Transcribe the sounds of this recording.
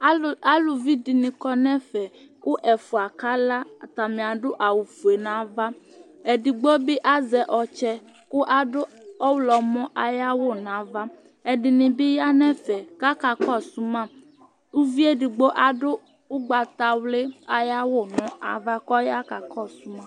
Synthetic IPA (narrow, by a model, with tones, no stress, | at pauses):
a˦lo˨vi˦di˨nĩ˨kɔ˦nɛ̃˦fɛ˨ | ko˦ʔɛ˨fu˨a˨ka˦la˦˨t̪a˨mĩ˨a˨ɖo˦ʔa˨wu˨fu˨e˨nã˨˦va˦ | e˨ɖi˨ɡ͡bɔ˦be˦ʔa˦zɛ˨ʔɔ˨t͡ʃɛ˦ | ko˦ʔa˦ɖo˦ɔ˦wlɔ˨mɔ̃˦ʔa˨ja˦wo˦˨nã˨˦va˦ | e˨ɖi˨nĩ˨be˦ja˦nɛ̃˦fɛ˨ka˦ka˨kɔ˦su˦mã˦˨ | u˦vi˦e˦ɖi˨ɡ͡bɔ˦ʔa˨ɖo˦ | o˦ɡ͡ba˨t̪a˨wle˦a˨ja˦wo˦˨nɔ̃˦a˨va˦kɔ˦ja˦ka˨kɔ˦˨su˦mã˦